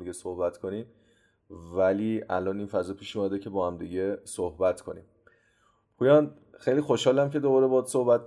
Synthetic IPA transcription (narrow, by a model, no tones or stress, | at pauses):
iɟesohbæt̪kʰoniːm | væliːæ̰lɒːniːnfæzɒːpʰiːʃuːmæd̪ecʰe̞bɒːhæmd̪iɟesohbæt̪kʰo̞nḭːm | pʰuːjɒn | xejliːxoʃhɒːlæmce̞d̪obɒɾebɒːd̪sohbæt̪̚